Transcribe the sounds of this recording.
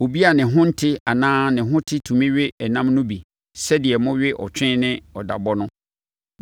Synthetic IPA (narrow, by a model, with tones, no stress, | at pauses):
o˨bi˦a˨nɪ̃˨ɦʊ̃˦n̩˦tʰɪ˦a˨nãː˦nɪ̃˨ɦʊ̃˦tʰɪ˦tʰũ˨mĩ˦ɥɪ˦ɛ˨nã˦mnʊ̃˦bi˨ | sɛ˦dɪ˨ɛ˨mʊ̃˦ɥɪ˦ʔɔ̰˨t͡ɕᶣɪ̃˦nɪ̃˦ɔ˨da̰˨bɔ˦nʊ̃˦